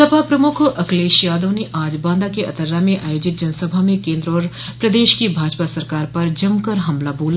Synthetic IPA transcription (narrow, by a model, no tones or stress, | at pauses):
əbʱapɾɐmʊkʰɐkleːʃijaːd̪õːneʔaːd͡ʒbãːnd̪akeɐ̰t̪əɾːamẽʔaːjoːd͡ʒɪt̪̚d͡ʒɐnsəbʱamẽkẽːnd̪ɾɔːɾ | pɾɐd̪eːʃkibʱaːd͡ʒpasɐɾkaːɾpɐɾd͡ʒɐmkɐɾɦɐmlaboːl